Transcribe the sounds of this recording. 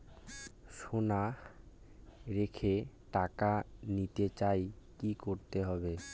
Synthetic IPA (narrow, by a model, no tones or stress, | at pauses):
ʃona | ɾekʰe | ʈakanit̪et͡ɕaj | kikoɾt̪eɦɔbe